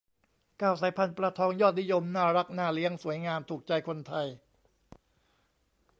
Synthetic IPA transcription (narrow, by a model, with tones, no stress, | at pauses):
kaː˥˩wsaː˩˦jpʰa˧npɾa˧t̪ʰɔː˧ŋjɔː˥˩t̪̚ni˦˥jo˧mnaː˥˩ɾa˦˥k̚naː˥˩li˦˥əŋsu˩˦əjŋaː˧mt̪ʰuː˨˩k̚t͡ɕa˧jkʰo˧nt̪ʰa˧j